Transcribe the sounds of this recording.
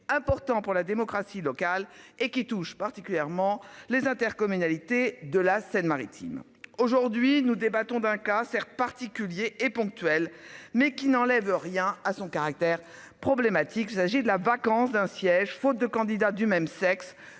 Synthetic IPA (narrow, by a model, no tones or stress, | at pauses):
ɛ̃pɔʁt̪ɑ̃puʁlad̪emɔkχasilɔkalekʲit̪uʃpaʁt̪ikʲyljɛʁmɑ̃lezɛ̃t̪ɛʁkɔmynalit̪ed̪əlasɛnmaʁit̪ʰḭm | oʒuʁd̪ɥinud̪ebat̪ɔ̃d̪ɛ̃kasɛʁt̪̚paʁt̪ikʲyljeʔepɔ̃k̚t̪ɥɛlmɛkʲinɑ̃lɛvʁjɛ̃asɔ̃kaʁak̚t̪ɛʁ | pχɔblemat̪ʰikilsaʒid̪əlavakɑ̃sd̪ɛ̃sjɛʒfot̪̚d̪əkɑ̃d̪id̪ad̪ymɛmsɛks